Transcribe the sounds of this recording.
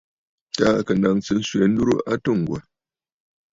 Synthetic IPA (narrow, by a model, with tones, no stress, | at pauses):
ta˦˨kə˨na˨ŋt͡sɨ˨n̩˦swɛ˨˦n̩˦du˦ɾṵ˦ʔa˦tɨ˦˨ŋ̩˨ɡwa̰˨